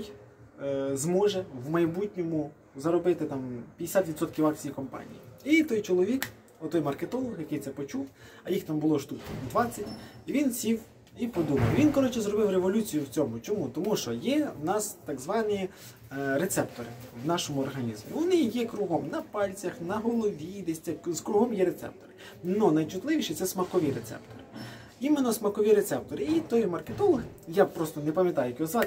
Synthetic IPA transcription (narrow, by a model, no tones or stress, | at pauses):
j | zmɔʒɛwmɐjbutʲnʲɔmʊ | zɐɾɔbɪt̪ɪt̪ɑmpʲjɐd̪ʲɪsʲat̪ʋʲid̪sɔt̪kʲiwɑk̚t͡sʲijikɔmpɑ̰nʲḭjiit̪ɔjt͡ʃɔlˠɔʋʲik | ɔt̪ɔjmɐrket̪ɔlˠɔxjɐkejt̪sɛpɔt͡ʃuwɐjixt̪ɑmbʊlˠɔʃt̪up̪d̪ʋɑt͡sʲːɐtʲiʋʲinsʲiw | ipɔd̪umɐwʋʲinkɔɾɔt͡ʃɛzɾɔbɪwɾeʋɔlʲut͡sʲijʊwt͡sʲɔmʊt͡ʃɔmut̪ɔmuʃt͡ʃɔjɛwnɑst̪ɑɡzʋɑnʲi | ɾet̪sɛpt̪ɔɾɪ̰wnɑʃɔmʊɔrɦɐnʲizmʲʊ̰ʋɔnɪjɛkɾuɦɔmnɐpɑlʲt͡sʲɐxnɐɦɔlˠɔʋʲid̪esʲt͡sʲɛzkɾuɦɔmjɛɾet̪sɛ̰p̚t̪ɔɾɪ | nɔnɐjt͡ʃʊt̪lˠɪʋʲiʃɪt̪sɛsmɐkɔʋʲiɾet̪sɛ̰pt̪ɔɾɪ | imenːɔsmɐkɔʋʲiɾet̪sɛp̚t̪ɔɾɪit̪ɔjmɐrket̪ɔlˠɔx | japɾɔst̪ɔnepɐmʲjɐt̪ɑjʊjɐkʲiɔzʋɑ